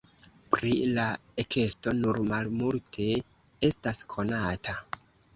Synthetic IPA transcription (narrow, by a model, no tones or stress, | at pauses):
pɾilaekʰe̞sto̞nuɾmalmultʰe̞ | e̞staskʰo̞natʰa